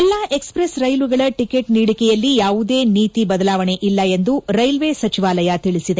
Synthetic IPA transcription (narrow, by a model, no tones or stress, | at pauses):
ɛlːaːʔe̞kspɾesɾɐjluɡɐɭɐʈike̞ʈniːɽikɛjɐlːijaːʋud̪eːniːt̪ibɐd̪ɐlaːʋɐɳe̞ʔilːɐe̞nd̪uɾɐjlʋe̞ːsɐt͡ʃiʋaːlɐjɐt̪iɭisid̪e